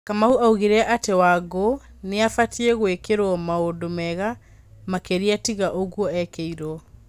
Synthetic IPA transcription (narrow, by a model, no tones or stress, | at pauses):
kamauʔauɣiɾɛʔatewaɣɡo | neafatʰieɣwekeɾwɔmaodomɛɣa | makeɾiatiɣaʔoɣwɔɛkɛiɾɔ